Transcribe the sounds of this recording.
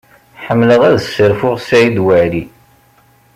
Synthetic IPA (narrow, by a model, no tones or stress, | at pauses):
ħəmːləʁæðsəɾfʊʁsæjid̪wæɾi